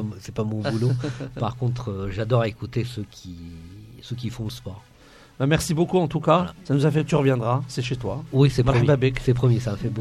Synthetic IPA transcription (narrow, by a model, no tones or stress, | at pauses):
sɛpamɔ̃bulopaʁkɔ̃t̪χəʒad̪ɔʁekut̪esøkʲʰi | søk̬ʲifɔ̃ləspɔʁ | bamɛʁsibokuɑ̃t̪ukasanuzafɛkt̪yʁəvjɛ̃d̪ʁasɛʃet̪wawisɛmaʁmjbabɛksɛpχəmjesamafɛbo